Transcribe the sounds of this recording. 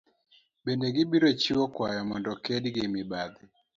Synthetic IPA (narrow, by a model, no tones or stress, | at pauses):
bendeɡɪbiɾot͡ʃiwɔkwajɔmɔndɔkɛdɡɪmɪbad̪ɪ